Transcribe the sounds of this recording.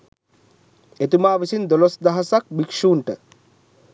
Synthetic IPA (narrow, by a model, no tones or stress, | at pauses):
et̪umaːʋisind̪olosd̪aɦasak̚bikʂuːɳʈə